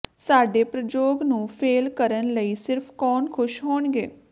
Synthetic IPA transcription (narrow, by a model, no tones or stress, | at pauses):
saːɖeːpɾəd͡ʒoːɡnũːpʰeːlkəɾənləiːsɪɾpʰkɔːnkʰʊʃɦoːɳɡeː